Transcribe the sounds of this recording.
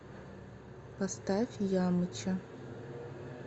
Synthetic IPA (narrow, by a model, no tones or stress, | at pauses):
pɐst̪afʲjamɨt͡ʃʰɐ